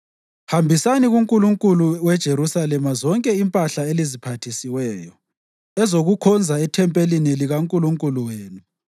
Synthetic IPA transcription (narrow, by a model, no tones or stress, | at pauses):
hambʱisaniɣuŋkʼuluŋkʼuluwɛd̥ʒ̥ʱeɾusalɛmazɔŋkʼɛimpʼaɬaelizipʰatʰisiwɛːjɔ | ɛzoɣukʰɔnd͡zʱaɛtʰɛmpʼeliniliɣaŋkʼuluŋkʼuluweːnu